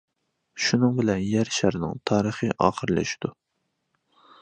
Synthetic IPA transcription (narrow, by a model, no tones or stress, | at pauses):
ʃunɨŋbɪlɛnjæɾʃæɾnɪ̰ŋt̪ʰɑːɾəχɨʔɑ̰ːχəɾlɛ̰ʃd̪̥u